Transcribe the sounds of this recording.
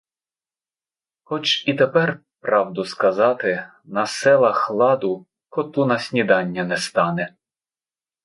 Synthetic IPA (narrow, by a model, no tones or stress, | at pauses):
xɔt͡ʃit̪epɛr | pɾɑwd̪ʊskɐzɑt̪ɪ | nɐsɛlˠɐxlˠɑd̪ʊ | kɔt̪unɐsʲnʲid̪ɑnʲːɐnɛst̪ɑnɛ